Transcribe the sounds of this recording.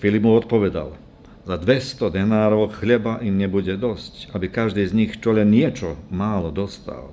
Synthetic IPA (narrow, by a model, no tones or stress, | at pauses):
filibmuɔt̪̚pɔʋɛd̪a̰l | zad̪ʋɛst̪ɔd̪ɛnaːɾɔʊxʎɛbaʔimɲɛbuɟɛd̪ɔscabikaʒd̪izɲixt͡ʃɔʎɛnːɪɛt͡ʃɔmaːlɔd̪ɔst̪a̰l